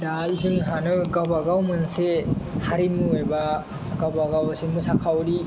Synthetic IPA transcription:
daiziŋɦanɯɡawbaɡawmɯnsehaɾimɯeba | ɡawbaɡawsemɯsakʰawɾi

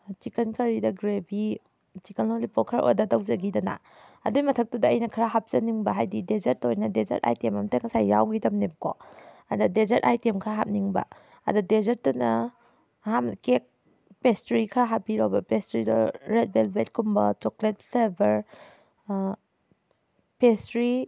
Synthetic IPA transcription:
t͡ʃikɐnkɐɾidɐɡɾebi | t͡ʃikɐnolipɔkʰɐɾʔo̰jdɐdɐwzɐɡidɐna̰ | ɐ̰dujmɐtʰɐk̚tudɐːjnɐkʰɐɾaɦap̚zɐniŋbɐɦajdidezɐɾtojnɐdezɐ̰ɾta̰jtemɐmteŋsajːa̰wɡidɐmnebɐko̰ | ɐ̰dɐdezɐɾtajtemkʰaɾaɦap̚niŋbɐ̰ | ɐ̰dudezɐɾtunɐ | hamkek̚ | pestɾikʰɐɾaɦapiɾobɐpestɾidɔ̰ɾet̚belbet̚kumbɐ̰t͡ʃɔklet̚pʰeɾbɐɾ | pestɾi

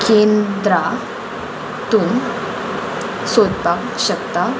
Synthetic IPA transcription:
kend̪ɾa | t̪ũm | sod̪pak | ɕəkt̪a

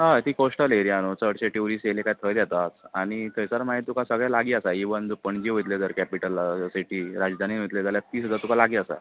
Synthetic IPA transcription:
ɦãt̪iːkoʂʈəleɾijanot͡səɽɕeʈuɾiːselekajt̪ʰəjd̪jat̪at͡saɽ̃it̪ʰəjsaɾmaɦit̪ukasəɡɭjalaɡiːasaiʋənd͡zupəɳd͡ʑiʋojt̪led͡z̪əɾkɛpiʈəlːasiʈiːɾad͡zd̪ʱaninit̪let̪aljat̪iːsud̪ʱat̪ukalaɡiːasa̰

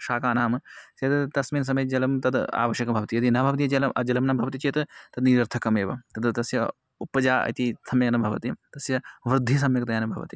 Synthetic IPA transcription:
ʃaːkaːnaːmseːt̪t̪ɐsmiːns̬ɐmɐjd͡ʒɐlɐmt̪ɐd̪a̰ːʋɐʃjɐkɐmbʱɐʋɐt̪ijɐd̪inɐbʱɐʋɐt̪ijɐt͡ʃɐlɐɐd͡ʒɐlɐmnɐmbʱɐʋɐt̪it͡ʃeːt̪t̪ɐd̪niɾɐɾt̪ʰɐkɐmeːʋɐ̰t̪ɐd̪t̪ɐsjɐ | upɐd͡ʒaːɐ̰t̪isɐmjɐknɐbʱɐʋɐ̰t̪it̪ɐsjɐʋɾɨd̪ʱːis̬ɐmjɐkt̪ɐjaːnɐbʱɐ̰ʋɐ̰t̪ḭ

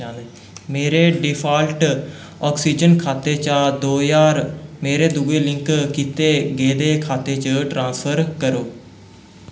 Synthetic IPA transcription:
ãːd̪e | meːɾeːɖɪpʰaːlʈ | ɔːksiːd͡ʒənkʰaːt̪eːt͡ʃaːd̪oːjaːɾmeːɾeːd̪ʊɡeːlɪ̃ŋkkiːt̪eːɡeːd̪eːkʰaːt̪eːt͡ʃəʈɾãːnspʰəɾkəɾoː

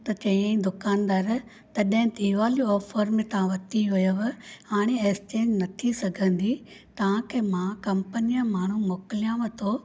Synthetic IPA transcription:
t̪ɐt͡ɕɐ̃iẽd̪ʊkaːnd̪aːɾ | t̪ɐɗɦɪ̃t̪iːʋaːliɔːfəɾmɪ̃t̪ɐãʋɐt̪iʋɐjoʋhaːɽ̃eest͡ɕẽːɲd͡ʒnɐt̪ʰisɐɡʱə̃nd̪it̪ɐʋ̤ãkʰeːmãkɐmpənijəmaːɳ̤umoːkɪlijãʋɐt̪ʰoː

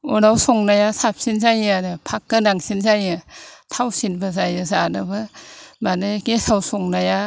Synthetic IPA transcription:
ɔɾawsɔŋnajasap̚sinzajadɯpʰakːɯnaŋsinzajɯtʰawsinbazajɯzanɯbɯbanɯɡesawsɔŋnaja

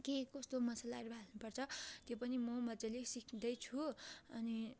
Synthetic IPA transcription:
kekʌst̪omʌsalaɾubʱalnupʌrt͡sʰʌt̪jopʌnimʌmʌd͡zʌlesikʰid̪ʌjt͡sʰuʌni

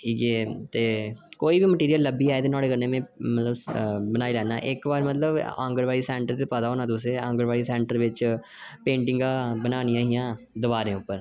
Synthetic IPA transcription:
iːɡeːt̪eːkoːiːbiːməʈiːɾijəlːəbiːaːet̪eːnɔːɽeːkəɾneːmẽːmət̪ləbbənaːiːlɛːna̰ːʔɪkbaːɾmət̪ləbã̰ːŋɡəɾʋaːɽiːsɛ̃ːɳʈəɾt̪epəd̪aɦoːnãːt̪ʊs̬eːãːŋɡəɾʋaːɾiːsɛ̃ːɳʈəɾʋɪt͡ʃ | pẽːɳʈɪ̃ŋɡãːbənaːnijãːɦɪjãː | d̪ɪʋaːɾẽːʊpːəɾ

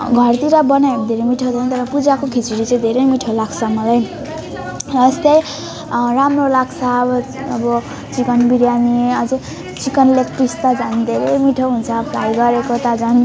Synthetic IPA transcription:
ɡʱʌrt̪iɾabʌnajmd̪ʱeɾemiʈʰawd̪ʌñt̪ʌɾʌpud͡zakokʰit͡siɽit͡sãj̃d̪ʱeɾʌjmiʈʰolaɡt͡sʰʌmʌlaj | ʌst̪ʌj | ramrolaɡt͡sʰaːbʌːbʌ | t͡sikʌnbiɾjaniʌd͡ze | t͡sikʌnlekʈrist̪ad͡zand̪ʱeɾejmiʈʰoɦunt͡sʰʌplajɡʌɾekot̪ad͡zan

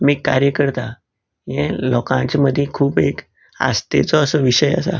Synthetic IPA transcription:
mikːaɾjəkəɾt̪a | jẽlɔkãt͡ɕməd̪ʱjekʰuːpek | a̰st̪ḛt͡sɔəsəʋiɕəjə̰sa̰

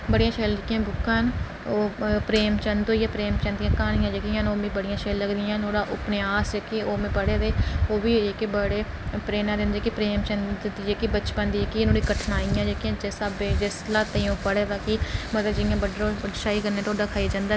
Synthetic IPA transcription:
bəɽijãːʃəːlkːjãːbʊkːãːɦn | oːpɾeːmt͡ʃənd̪ojeːpɾeːmt͡ʃə̃nd̪ɪjãːkaːnɪjãːd͡ʒekɪãɦnoːbĩːbəɽɪjãːʃələɡd̪ɪjãːnoːɽaːʔʊpnɪjaːsd͡ʒeːkeoːmẽːpəɽeːd̪eːoːbiːeːkbəɽeː | pɾeːnãːɾɪ̃nd̪eːkipɾeːmt͡ʃənd̪d̪id͡ʒeːkibət͡ʃpə̃nd̪iːeːkinoːɽiːkəʈʰnaːɪjãːd͡ʒekiãːd͡ʒeːsaːbeːd͡ʒeslaːt̪əĩõːpəɽeːt̪aːkimət̪ləbd͡ʒɪɪjãːbəɖɾõːɖʃaːiːkəɾnːẽːt̪ʰoːɖaːkʰaːid͡ʒãːnd̪aː

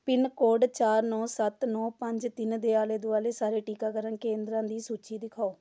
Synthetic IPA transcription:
pɪnkoːɖt͡ʃaːɾnɔ̃ːsət̪nɔːpəɲd͡ʒt̪ɪnd̪eːaːleːd̪ʊaːleːsaːɾeːʈiːkaːkəɾənkẽːnd̪ɾãːd̪iːsuːt͡ʃiːd̪ɪkʰaːoː

